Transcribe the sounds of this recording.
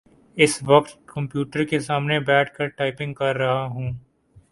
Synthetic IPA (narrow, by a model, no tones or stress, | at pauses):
ɪsʋɐqt̪kɐ̃mpjuːʈəɾkesaːmnebɛːʈʰkɐɾʈaːɪpɪ̃ŋɡ̚kɐɾːɐɦaɦũː